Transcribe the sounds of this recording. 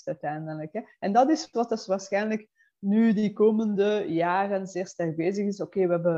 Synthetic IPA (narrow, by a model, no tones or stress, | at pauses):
tœɥtɛjndənləkɦɛɛndɑtɪsʋɑtəsʋaːɹsxɛjnlək | nydikoːməndəjaːrənzɪːɹstɛrɡ̚beːzəɣɪsokeːʋəɦɛbə